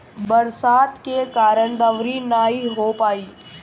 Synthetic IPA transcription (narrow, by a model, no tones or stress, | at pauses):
bɐɾsaːt̪kekaːɾəɳ̃d̪əʋɾinaːɦiɦopaːiː